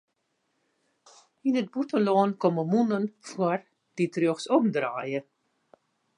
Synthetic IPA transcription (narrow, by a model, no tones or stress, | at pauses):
inət̚butəlɔːnkɔməmunənfwɔr | d̥itroxsɔmdra̰ːjə